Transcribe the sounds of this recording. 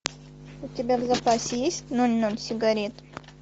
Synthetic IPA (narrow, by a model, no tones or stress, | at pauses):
ʊtʲɪbʲavzɐpasʲɪjesʲtʲnonʲnonsʲɪɡɐɾʲet̪